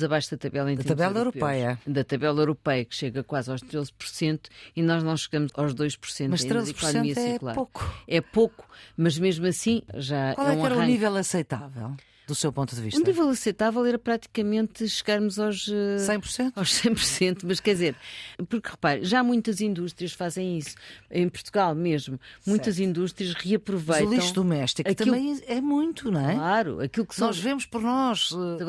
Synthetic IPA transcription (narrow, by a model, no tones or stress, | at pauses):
zɐβajʃuðɐt̪ɐβɛlˠɐĩt̪d̪ɐɾt̪ɐβɛlˠɐewɾuppɐjɐd̪ɐt̪ɐβɛlˠɐewɾupɛjɐkʃeɣɐkwazawʃt̪ɾezpuɾsẽnt̪u̥inɔʒnɐ̃w̃ʃɨɣɐmzawʒðojʃpu̥ɾsẽnmɐʃt̪ɾezipuɾɔsɔnẽnmiɐsiklˠa̰poku̥ɛpoku̥mɐʒmeʒmuɐsĩʒawalˠɛ̃ɛɾɐ̃nivɛlˠɐsɐjt̪avɛ̰lˠ | d̪usewpõnt̪uðviʃutnivɛlˠɐsɐjt̪avɛlˠɛɾɐpɾat̪i̥kɐmẽnt̪ʃɨɣaɾmuzawʃɛssɐ̃j̃puɾsẽnt̪awʃsɐ̃j̃puɾsẽnt̪umɐʃkɛɾd̪izeɾpuɾkʁɨpaɾ̰ʒamũj̃t̪ɐzĩnd̪uʃt̪ɾiɐʃfazẽj̃isu̥ɐ̰̃j̃puɾt̪uɣalˠmeʒmumũj̃t̪ɐzĩnd̪uʃt̪ɾiɐʃʁɨɐpɾuvɐjtlˠiɐ̃ʃðumɛʃt̪ikɐt̪ɐmilˠbɐ̃j̃ɛmũj̃t̪uñɛlˠaɾṵɐ̰kilˠuksɔʒvemuʃpɔɾnɔʃɛɐɣ